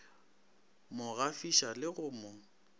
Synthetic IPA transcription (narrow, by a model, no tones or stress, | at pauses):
mʊɣafiʃalɪɣʊːmʊ